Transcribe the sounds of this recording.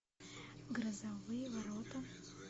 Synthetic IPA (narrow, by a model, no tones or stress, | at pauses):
ɡɾɐzavɨjvaɾot̪ɐ